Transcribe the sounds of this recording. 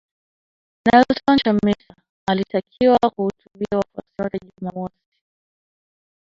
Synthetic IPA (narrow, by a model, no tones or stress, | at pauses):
naltɔnt͡ʃamisa | alitakʰiwakuhutuɓiawafa̰siwatɛʄumamɔsi̥